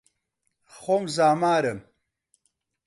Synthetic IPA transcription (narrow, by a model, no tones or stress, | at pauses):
χomzaːmaːɾɐm